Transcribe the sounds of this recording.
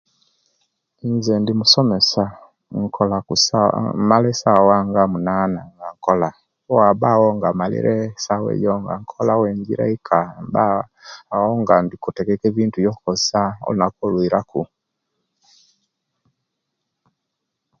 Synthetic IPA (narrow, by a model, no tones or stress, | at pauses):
inzɛndimusɔmɛsa | ŋ̩kɔlausmalɛsawaŋɡamunanaŋɡaŋkɔla | ɔwabawɔŋɡamalḭɾʔɛsawɛ̰jɔŋɡa̰ŋ̩kʰɔlawɛɲɡiɾɛ̰ikʰambaː | ɔŋɡandikutɛkɛkɛvintujɔkɔsaɔ̰lnakɔlwiɾaku